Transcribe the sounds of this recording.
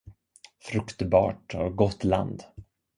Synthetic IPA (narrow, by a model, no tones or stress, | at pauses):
fɾɵkt̪bɑ̰ːʈɔɡɔt̪ːla̰nd̪